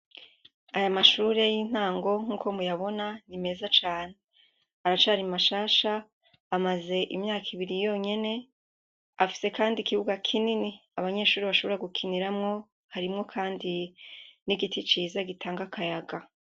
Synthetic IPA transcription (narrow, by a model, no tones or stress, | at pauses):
ajamaʃuːɾe̞jiːn̥haːŋɡo̞ŋ̥uːkʰo̞mujaβo̞nanime̞zat͡ʃaːne | aɾat͡ʃaɾimaʃaːʃaː | maze̞ʔimɲaːkʰiβiɾijo̞ɲe̞ne̞ | afi̥se̞kaːndikiβuɡakʰininiaβaɲe̞ːʃuːɾiβaʃoβoɾaɡukʰiniɾamŋo̞ | haɾimŋo̞kʰaːndiniɡitʰit͡ʃiːzaɡitʰaːŋɡakʰajaɡa